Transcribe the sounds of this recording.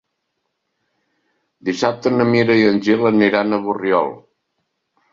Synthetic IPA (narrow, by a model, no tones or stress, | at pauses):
d̪isap̚t̪ənəmiɾəjənʲʒiləniɾanəβurjɔ̰lˠ